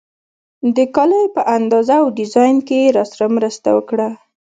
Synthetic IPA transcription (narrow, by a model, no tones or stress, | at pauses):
d̪əkɑləjpəʔand̪ɑzaːwɖɪzɑjnkeɾɑsaɾamɾəst̪a̰wəkɽa